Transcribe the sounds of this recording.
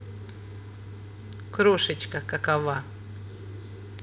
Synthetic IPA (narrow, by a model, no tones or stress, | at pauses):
kɾoʂɨt͡ɕkɐkɐkava